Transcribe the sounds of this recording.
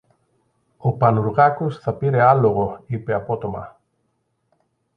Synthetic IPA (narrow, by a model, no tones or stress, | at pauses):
opanuɾɣakosθapiɾealoɣoipeapot̪oma̰